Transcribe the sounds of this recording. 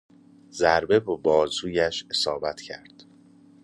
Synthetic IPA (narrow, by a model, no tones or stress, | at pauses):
zæɾbe̞bebɒːzuːjæʃe̞sɒːbæt̪ʰcʰæ̰ɾd̪̥